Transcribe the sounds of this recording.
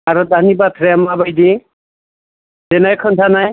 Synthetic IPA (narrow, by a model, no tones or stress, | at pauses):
aɾɔd̪ʱanibat̪ʰɾeamabajd̪i | denajkʰɔnt̪ʰanaj